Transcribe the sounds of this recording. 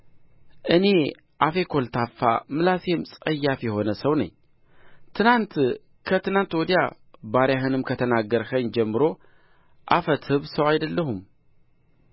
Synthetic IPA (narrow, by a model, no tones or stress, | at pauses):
ʔɨne̞ | ʔafekʰo̞lt̪ʰafːa̰mɨlasemt͡sʼɐjːafjɛho̞nəsɐwnɐ̰ɲ | t̪ʰɨnant̪ | kʰət̪ʰɨnant̪wɔd̪ija | baɾjaɦɨnɨmkʰət̪ʰənaɡəɾxɐɲd͡ʒɛmːɨɾo̞ | ʔafət̪hɨβsɐwajd̪ɐlːəɦum